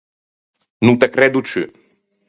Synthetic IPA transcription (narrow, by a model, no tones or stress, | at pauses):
nut̪ɛkɾɛd̪ut͡ʃɨ